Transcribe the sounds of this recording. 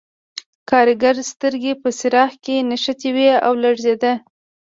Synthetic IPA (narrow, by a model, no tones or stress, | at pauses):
kɑɾɪɡaɾst̪əɾɡepəsɪɾɑhkenaʃat̪iwea̰wlaɽzed̪a